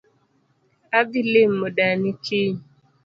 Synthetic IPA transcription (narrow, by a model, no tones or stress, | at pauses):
abilɪm̩mʊɗanikʰi